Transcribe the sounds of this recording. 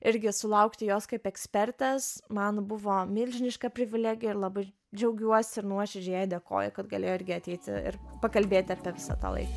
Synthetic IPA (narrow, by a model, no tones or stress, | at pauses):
ɪɾʲɡʲɪsʊlˠɐʊkt̪ʲɪjoːskɐɪpɛksʲpʲɛrʲt̪ʲɛsmɑːnbʊʋoːmʲɪlʲʒʲɪnʲɪʃkɐpʲɾʲɪʋʲɪlʲæːɡʲɪjɛɪɾlˠɑbɐɪ | d͡ʒʲɛʊɡʲuɔsʲɪɪɾnuɔʃʲɪd͡ʒʲɛjɛːjd̪ʲeːko̰ːjɛkɐt̪ɡɐlʲḛːjoɪɾʲɡʲɪɐt̪ʲɛɪt̪ʲɪ̰ɪ̰rpɐkɐlʲbʲeːt̪ʲɪɑːpʲiɛʋʲɪsɑ̰t̪ɑ̰lˠɐ̰ɪkɐ